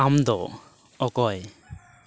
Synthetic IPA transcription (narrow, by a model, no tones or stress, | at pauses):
amd̪ɔ | ɔkɔj